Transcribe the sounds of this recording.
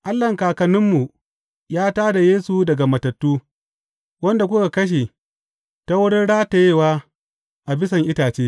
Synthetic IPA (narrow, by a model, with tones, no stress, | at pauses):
ʔa˦lːɐ˨ŋkaː˨kɐ˨nɪ˦mːu˨ | jaː˦taː˦da˨jeː˦su˨dɐ˨ɡa˨mɐ˨tɐ˨tːuː˦ | wɐ˦nda˨kʷʊ˦ka˨kɐ˦ʃ̬eː˨ | ta˦wʊ˦ɽɪ˦nɽaː˦ta˨jeː˦˨waː˦ | ʔa˨bɪ˦s̬ɐ˨ŋʔɪ˦taː˨t͡ʃeː˦